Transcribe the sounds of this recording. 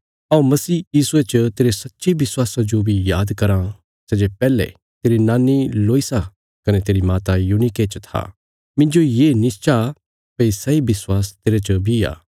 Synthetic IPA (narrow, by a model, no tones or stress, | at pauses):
aũmɐsiːjiːsuet͡ʃət̪eːɾesɐtːʃebɪswaːsad͡ʒobʱijaːd̪kɐɾã | sɛd͡ʒepɛːlḛ | t̪eːɾinaːnːiloːisa | kɐnɛt̪eːɾimaːt̪ajuːniket͡ʃət̪ʰa̰ː | mɪ̃nd͡ʒojeːnɪst͡ʃa | pɐisɐibɪswaːst̪eːɾet͡ʃɐbʱia̰ː